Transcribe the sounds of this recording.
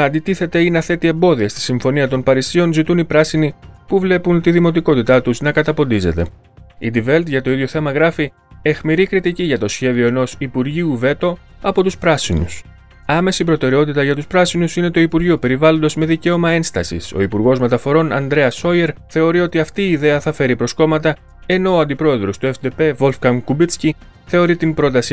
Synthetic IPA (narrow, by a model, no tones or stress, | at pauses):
ɐnd̪it̪iθe̞t̪e̞ineɐθe̞t̪ie̞mbo̞ðiɐst̪i̥siɱfo̞niɐt̪o̞npɐɾisio̞nzit̪unipɾɐsinipuvle̞punt̪iðimo̞t̪̬iko̞t̪it̪ɐt̪uznɐkɐt̪ɐpo̞nd̪ize̞t̪e̞̰ | ḭd̪ive̞lt̪ʝɐt̪o̞iðʝo̞θe̞mɐɣɾɐfi | e̞xmiɾikɾit̪iciʝɐt̪o̞sçe̞ðio̞e̞no̞sipuɾʝiuve̞t̪o̞ | ɐpo̞t̪uspɾɐsinṵs | ɐme̞sip̬ɾo̞t̪e̞ɾe̞o̞t̪it̪ɐʝɐt̪uspɾɐsinusine̞t̪o̞ipuɾʝiope̞ɾivɐlo̞nd̪ɐzme̞ðice̞o̞mɐe̞nst̪ɐsḭso̞̰ipuɾɣo̞zme̞t̪ɐfo̞ɾo̞nɐ̰nd̪ɾe̞ɐso̞je̞ɾθe̞o̞ɾio̞t̪iɐft̪iːðe̞ɐθɐfe̞ɾipɾo̞sko̞mɐt̪ɐ | e̞no̞ːɐnd̪ipɾo̞e̞ðɾo̞st̪ue̞fd̪epe̞vo̞lfkɐŋkubit͡sci | θe̞o̞ɾit̪imbɾo̞t̪ɐsi